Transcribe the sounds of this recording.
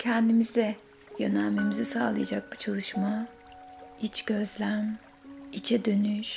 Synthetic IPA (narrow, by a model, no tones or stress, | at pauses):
cʰɛnd̪imizɛ | jø̰nælʲme̞mizisaːlˠɯjad͡ʒak̚but͡ʃʰalˠɯʃma | it͡ʃɟ̥ø̞zlʲæm | it͡ʃʰɛd̪ø̞nyʃ